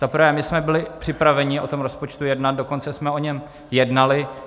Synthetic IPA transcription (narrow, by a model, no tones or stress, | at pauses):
z̥apɾ̩vɛːmɪsmɛbɪlɪpr̥ɪpɾavɛɲɪʔo̞̰t̪o̞mɾo̞spo̞t͡ʃt̪ujɛdnat̪̚doko̞nt͡sɛsmɛo̞ɲɛm | jɛdnalɪ